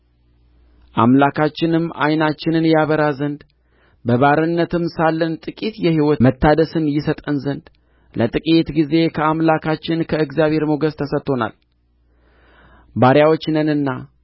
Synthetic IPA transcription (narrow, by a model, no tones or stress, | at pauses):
ʔa̰mlakʰat͡ʃːɪnɨmːa̰jnat͡ʃːɪnɨnjaβəɾazənd̪ | bəβaɾɨnːət̪ɨmsalːənt̪ʼɨkʼit̪jɛhiwɔmət̪ʰːad̪əsɨnjɪsət̪ʼənzənd̪ | lət̪ʼɨkʼit̪ɡize̞kʰəamlakʰat͡ʃːɪnkʰəɨɡzjaβhe̞ɾmoɡəst̪ʰəsət̪ʰːo̞na̰l | baɾjawot͡ʃːnənɨnːa